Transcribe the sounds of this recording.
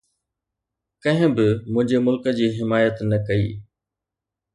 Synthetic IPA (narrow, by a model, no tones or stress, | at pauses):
kɐ̃ɦɪ̃bɪmʊ̃ɦɪ̃ɲd͡ʑemʊlkə̆d͡ʑiːɦɪmaːjət̪nɐkɐḭː